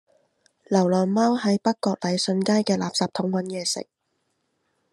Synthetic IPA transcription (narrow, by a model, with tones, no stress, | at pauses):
lɐ˨˩wlœː˨˩nmɐ˥whɐ˨˥jpɐ˥kkːɔː˧k̚lɐ˨˧jsɵ˧nkaː˥jkɛː˧laː˨p̚saː˧p̚t̪ʰʊ˨˥ŋwɐ˨˥njɛː˨˧sɪ̰˨˩k̚